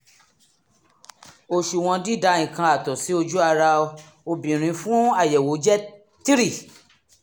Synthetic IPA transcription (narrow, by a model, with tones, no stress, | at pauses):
o˨ʃu˨w̃ɔ̃˧di˦˨da˨˧˦ĩ˨kã˧a˨tɔ˨si˨˦o˧d͡ʒu˦a˧ɾa˧ | o˧bĩ˨ɾ̃ĩ˨˧˦fũ˦a˦˨jɛ˨wo˨˦d͡ʒɛ˦ | ti˦ɾi˦˨